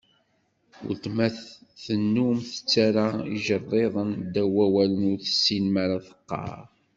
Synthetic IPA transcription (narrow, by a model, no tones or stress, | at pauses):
ʊ̰ɾt̪mæθθənːumθə̥t͡sːaɾaḭʒərˤːeðˤənd̪æwæwælənʊɾθə̥sːinmaɾaθə̥qːɑ̰ɾ